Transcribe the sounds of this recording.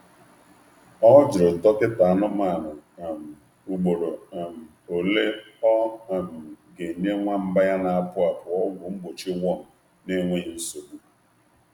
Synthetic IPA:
ɔ˦d͡ʒɪ˨ɾʊ˨tɔ˦kɪ˦ta˨a˨nɔ˦m˦a˦˨nʊ˨a˨m̩˨ | u˨ɡ͡bo˨ɾo˨a˨m̩˨ | o˨le˦ɔ˦a˨m̩˨ɡe˨ɲe˦ŋʷa˦m̩˦ba˦ja˦na˨a˦˨pʊ˦a˨pʊ˨ɔ˦ɡʷʊ˨m̩˦bo˨t͡ʃi˦wɔ˦˨m̩˨ | ne˦ŋʷe˦ɲ˦n̩˦so˨bu˦˨

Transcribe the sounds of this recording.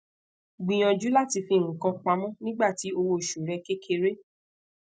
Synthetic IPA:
ɡ͡bĩ˨j̃ɔ̃˨d͡ʒu˨˦la˦˨ti˧fĩ˧˨ŋ̩̃˨kã˧k͡pa˧mɔ̃˦nĩ˦ɡ͡ba˦˨ti˨˦o˧wo˧˨ʃu˨ɾɛ˧ke˦kʰe˧ɾe˦

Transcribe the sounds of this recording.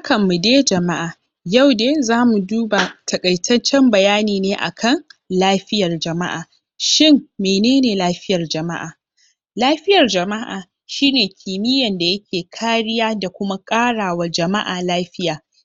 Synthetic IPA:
ha˦kʰɐ˨mːu˨deː˦d͡ʒɐ˨ma˦ʔaː˨ | ja˦˨wdeː˦zaː˦mu˨duː˦ba˨tʰɐ˨kʼɐ˨jtʰɐ˦t͡ʃːɛ˦mbɐ˨jaː˦niː˨neː˦ʔa̰˨kʰɐ˦˨ŋlaː˦ɸɪ˦jɐ˨rd͡ʒɐ˨ma˦ʔaː˨ | ʃɪ˦mːeː˨neː˦neː˨laː˦ɸɪ˦jɐ˨rd͡ʒɐ˨ma̰˦ʔa̰ː˨ | laː˦ɸɪ˦jɐ˨rd͡ʒɐ˨ma˦ʔa̰ː˨ | ʃiː˦neː˨kʲʰiː˨mɪ˦jɐ˨nda˨jɐ˦kʲʰeː˨kʰaː˦ɽɪ˦jaː˦da˨kʷʊ˦ma˦kʼaː˦ɽaː˨wa˦d͡ʒɐ˨ma˦ʔaː˨laː˦ɸɪ˦jaː˨

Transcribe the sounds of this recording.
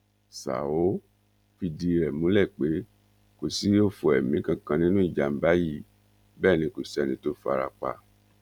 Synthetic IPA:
sa̰˨o˨˦ | fi˧di˧ɾɛ˨mũ˨˦lɛ˦˨k͡pe˨˦ | ko˨si˨˦o˦fo˧˨ɛ˨mĩ˨˦kã˧kã˧nĩ˦nũ˦i˦˨d͡ʒa˨˦m̩˨˦ba˦ji˦˨ | bɛː˦˨nĩ˧ku˨sɛ˦˨nĩ˨˦to˦fa̰˧ɾa̰˧k͡pa̰˧˨

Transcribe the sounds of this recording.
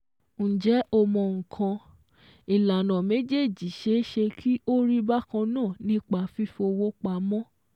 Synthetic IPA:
n̩˨d͡ʒɛ˨˦ɔ˧mɔ̃˧ŋ̩˨kʰã˧ | i˨la˨nã˨me˨˦d͡ʒe˦˨d͡ʒi˨ʃe˦ʃe˧kʰi˦o˦ɾi˦ba˦kã˧nãː˦˨nĩ˦k͡pa˧˦fi˦fo˧wo˦k͡pa˧˦mɔ̃˦

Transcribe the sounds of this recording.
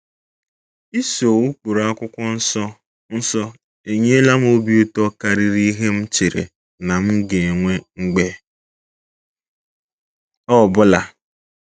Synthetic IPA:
i˦so˨wu˦k͡pu˨ɾa˦kʷʊ˦kʷʊ˦n̩˦ɔ˦ | n̩˦sɔ˦ | e˨ɲe˦la˦m˦o˦bi˦o˦tɔ˦ka˨ɾi˦ɾi˦ɦe˦m̩˦t͡ʃe˨ɾḛ˨ | na˨m̩˦ɡe˨e˨ŋʷe˦ŋ͡m̩˦ɡ͡be˦ | ɔ˦˨bʊ˦la˨

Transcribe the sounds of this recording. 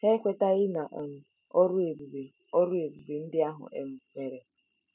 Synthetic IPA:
he˦kʷe˦ta˦ɣɪ˦na˨ʔm̩˨ | ɔ˦ɾʊ˦e˨bu˨be˨ | o˦ɾʊ˦e˨bu˨be˨n̩˦dɪ˦a˦ɦʊ̰˨ʔḛ˦m̩˦me˨ɾe˨

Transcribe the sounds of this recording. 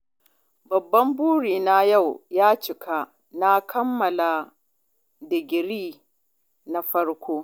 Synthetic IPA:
bɐ˨bːɐ˦mbuː˦ɽiː˨na˦ja˦˨wjaː˦t͡ʃɪ˨kʰa˦ | na˦kʰɐ˦mːɐ˨la˨ | dɪ˨ɡʲɪ˨ɾiː˦ | na˨ɸɐ˦ɽkʷʰoː˦

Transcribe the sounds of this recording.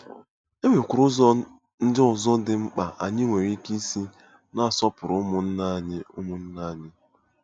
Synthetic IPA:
e˦me˨kʷʊ˨ɾʊ˦z | n̩˦dɪ˦ɔ˨zɔ˦dɪ˨ŋ͡m̩˦k͡pa˨ʔa˨ɲɪ˦ŋʷe˨ɾi˦ki˦si˦ | na˦a˨sɔ˦pʊ˨ɾʊ˨˦mʊ˨n̩˦na˦ɲɪ˦ʊ˦mʊ˨n̩˦na˦˨ɲɪ˦

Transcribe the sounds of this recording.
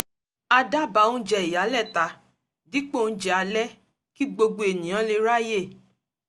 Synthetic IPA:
a˧da˦˨ba˨˦ũ˦d͡ʒɛ˧i˨ja˨˦lɛ˦˨ta˨˧˦ | di˦k͡po˦˨ñ̩˦d͡ʒɛ˧˦a˧lɛ˦ | ki˦ɡ͡bo˧ɡ͡bo˧˨e˨nĩ˨j̃ã˨˦le˧˦ɾa˦je˦˨

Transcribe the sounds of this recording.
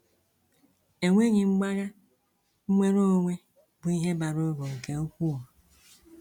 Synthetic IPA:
e˨ŋʷe˦ɲɪ˨ŋ͡m̩˦ɡ͡ba˦ɣa˦ | ŋ͡m̩˦mʷe˦ɾo˦o˦˨ŋʷe˦ | bʊ˨i˦ɦe˦ba˨ɾo˦ɾo˨ŋ̩˨ke˨o˦kʷu˦ɔ˨

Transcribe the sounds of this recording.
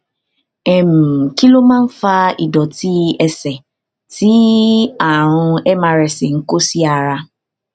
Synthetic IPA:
ɛ˨m̩˨ki˦lo˦mã˦m̩˦fa˦i˨dɔ˨ti˦ɛ˦sɛ˨ | ti˦a˨ɾʊ˦e˦ma˨ɾɪ˨sɪ˨ŋ̩˦ko˦si˦a˨ɾa˦

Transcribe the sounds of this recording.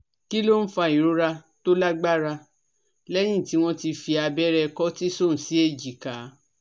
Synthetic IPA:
ki˦lo˦n̩˦fa˧˨i˨ɾu˨˦ɾa˧to˦la˦ɡ͡ba˦ɾa˧ | lɛ˦j̃ĩ˦˨ti˨˦w̃ɔ̃˦ti˧fi˧a˧bɛ˦ɾɛ˧kɔ˦ti˦so˦˨n̩˨si˨˦e˦˨d͡ʒi˨ka˨˦

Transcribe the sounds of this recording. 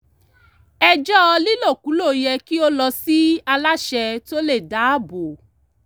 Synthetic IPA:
ɛ˧d͡ʒɔ˦˧li˦lo˦˨ku˨˦lo˦˨jɛ˧ki˦o˦lɔ˧si˦a˧la˦ʃɛ˧to˦le˦˨da˨˦a˦˨bo˨

